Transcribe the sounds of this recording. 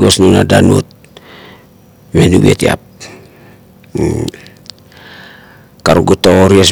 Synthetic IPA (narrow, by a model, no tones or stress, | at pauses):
ɡosnunadanut̚ | menuwietia̰p̚ | kaɾuɡotooɾies